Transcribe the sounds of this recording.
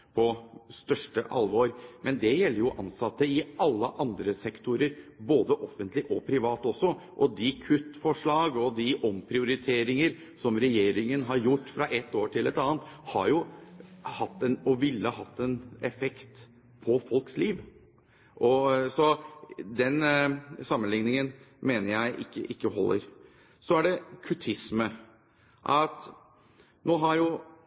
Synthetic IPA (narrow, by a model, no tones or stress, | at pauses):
pʰɔst̪œʂʈəʔɑ̰lʋoːɾmʔɛnd̪ɛjɛlːəɾjʊʔɑnsɑt̪ːəɪɑlːəʔɑnd̪ɾəsɛkt̪ʊɾəɾboːd̪əʔɔfːənt̪lɪʔɔpʰɾɪʋɑːt̪ɔsːɔ | ʔɔd̪ɪkʰʉt̪ːfɔʂɭɑːɡɔd̪ɪʔɔmpʰɾɪʊɾɪt̪ʰeːɾɪŋəɾ | sɔmɾɛjeːɾɪŋənɦɑɾjʊʈːfɾɑʔɛt̪ːoːʈʰɪlɛt̪ɑːənt̪hɑɾjʊ | hɑt̪ːɛnɔʋɪlːəɦɑt̪ːɛnɛfɛkt̪ | pʰɔfɔlksliːʋ | ʔɔsɔd̪ɛnsɑmːənlɪŋnɪŋən | meːnəɾjæɪʔɪ̰kːəʔɪkːəɦɔlːə̰ɾ | sɔæɖɛkʰʉt̪ʰɪsmə | ʔɑt̪ | noːɦɑɾjʊ